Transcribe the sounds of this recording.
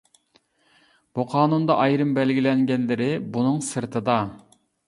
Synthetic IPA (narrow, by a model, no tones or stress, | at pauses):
b̥uqʰɑːnund̪ɑʔɑjɾɨmbɛlɡʲilɛŋɡʲɛnlɪɾɪbunɨŋsɨɾt̪ʰɨd̪ɑ